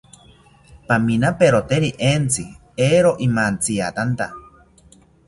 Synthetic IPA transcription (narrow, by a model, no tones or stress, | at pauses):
paminapeɾot̪eɾiʔent͡si | eɾoʔimant͡sia̰t̪ant̪a